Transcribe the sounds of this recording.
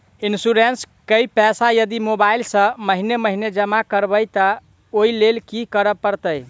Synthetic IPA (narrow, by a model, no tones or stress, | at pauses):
insuɾens | kəjpɛsajəd̪imobailsə̃məɦineməɦined͡ʒəmakəɾbəjt̪ə | oilelkikəɾəpəɾt̪əj